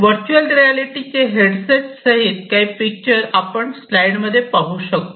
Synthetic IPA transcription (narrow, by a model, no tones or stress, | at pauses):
ʋəɾt͡ɕuəlɾialiʈit͡ɕeɦeɽseʈsəɦit̪kaiːpik̚t͡ɕəɾapəɳslajɽməd̪ʱːjepaɦuːɕəkt̪o